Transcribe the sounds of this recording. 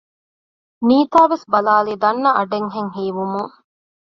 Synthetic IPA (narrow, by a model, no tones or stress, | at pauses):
niːt̪aːʋesbɐlaːliːd̪ɐnːɐʔɐɖeŋɦeŋɦiːʋumuŋ